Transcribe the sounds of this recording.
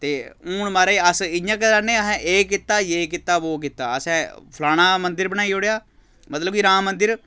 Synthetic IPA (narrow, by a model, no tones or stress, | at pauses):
t̪eːuːnmaːɾaiəsɪjãːk̬əɾanẽːəsɛ̃ʔeːkɪt̪ːaːjeːk̬ɪt̪ːaːʋoːk̬ɪt̪ːaːəsɛ̃ːpʰlaːɽ̃ãːmənd̪ɪɾbənaːiːoɽejaː | mət̪ləbiːɾãːmːənd̪ɪɾ